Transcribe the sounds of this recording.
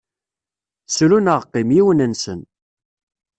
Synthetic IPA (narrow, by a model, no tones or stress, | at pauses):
sɾunəʁqːɪmjiwənənsə̰n